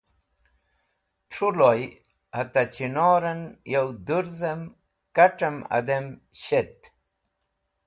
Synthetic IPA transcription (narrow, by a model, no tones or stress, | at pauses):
ʈ͡ʂʰuloj | hɐt̪ɐt͡ɕinoːɾɐnjɐwd̪uɾzɐm | kɐʈ͡ʂɐmɐ̰d̪emɕet̪